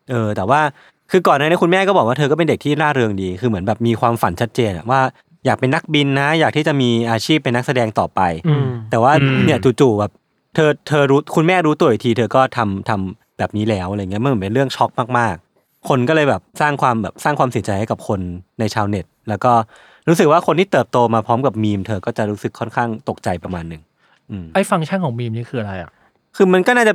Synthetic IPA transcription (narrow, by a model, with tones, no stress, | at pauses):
ʔɤː˧t̪ɛː˨˩waː˥˩ | kʰɯː˧kɔː˨˩naː˥˩ni˦˥ku˧mɛː˥˩kɔ˥bɔ˨˩k̚waː˥˩t̪ʰːkɔ˥˩pe˧nde˨˩k̚t̪ʰiː˥˩ɾaː˥˩ɾɯ˧əŋdiː˧kʰɯː˧mɯ˩˦ə˦nbɛː˨˩p̚miː˧kʰwaː˧mfa˨˩nt͡ɕʰa˦˥t̪̚t͡ɕeː˧nʔa̰˨˩ʔwaː˥˩ | jaː˨˩k̚pe˧nːa˦˥k̚bi˧nːa˦˥jaː˨˩t̪ʰiː˥˩t͡ɕa˨˩miː˧ʔaː˧t͡ɕʰiː˥˩p̚ːe˧nːa˦˥k̚sa˧dɛː˧ŋt̪ɔː˨˩pa˧jt̪ɛː˨˩waː˥˩ni˥˩ɐt͡ɕuː˨˩t͡ɕuː˨˩bɛː˨˩p̚ | t̪ʰɤː˧t̪ʰɤː˧ɾuː˦˥kʰu˧nmɛː˥˩ɾuː˦˥t̪u˧wi˧t̪ʰiː˧t̪ʰɤː˧kɔː˥˩t̪ʰa˧mt̪ʰa˧m | bɛː˨˩p̚niː˦˥lɛː˦˥wʔa˨˧jŋi˦˥m˧˥˨m˩˦pe˧nɾɯ˥˩əŋt͡ɕʰɔ˦˥k̚maː˥˩k̚maː˥˩k̚ʰː | o˧nkɔː˥˩lɤː˧jbɛː˨˩p̚saː˥˩ŋkʰwaː˧mbɛː˨˩p̚saː˥˩ŋkʰwaː˧msi˩˦t͡ɕa˧jha˥˩ka˨˩p̚kʰo˧nːa˧jt͡ɕʰaː˧wne˨˩t̪̚lɛː˦˥wkɔː˥˩ | ɾuː˦˥sɯ˨˩k̚waː˥˩kʰo˧nt̪ʰiː˥˩t̪ɤː˨˩p̚t̪oː˧maː˧pʰɾɔː˦˥mka˨˩p̚miː˧mt̪ʰɤː˧kɔː˥˩t͡ɕa˨˩ɾuː˦˥sɯ˨˩kʰːɔ˥˩nkʰaː˥˩ŋt̪o˨˩k̚t͡ɕa˧jpɾa˧maː˧nːɯ˨˩ŋ | ʔɯː˧ʔa˥˩jfa˧ŋt͡ɕʰa˦˥˩nkʰɔː˩˦miː˧mniː˦˥kʰɯː˧ʔa˧ɾa˧jʔa̰˨˩ | kʰɯː˧ma˧nkɔː˥˩naː˥˩t͡ɕa˨˩